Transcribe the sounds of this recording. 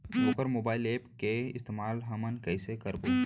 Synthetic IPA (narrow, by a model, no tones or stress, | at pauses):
oːkəɾmoːbaːɪleːpkeɪ̰st̪eːmaːlɦɐmənkəɪsekɐɾbo